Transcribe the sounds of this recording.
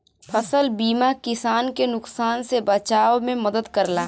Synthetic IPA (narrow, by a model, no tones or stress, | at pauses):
pʰəsəlbiːmakɪsaːnkenʊksaːnsebət͡ʃaːwmẽməd̪əd̪kəɾlaː